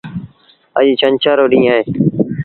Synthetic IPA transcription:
ə̰ʄiːt͡ʃənt͡ʃaːɾoːɗĩːaːɦeː

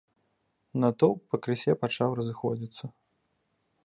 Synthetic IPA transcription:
nɐt̪ɔpɐkɾɨsʲɛpat͡ʂawɾɐzɨxɔd͡zʲit̪sːɐ

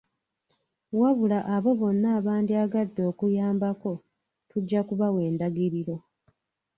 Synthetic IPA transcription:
waβulaʔaβo̞βo̞nːaːβaːndiaɡadːo̞ːkujaːmbako̞ | tuɟːakuβawe̞ːndaɡiɾiɾo̞

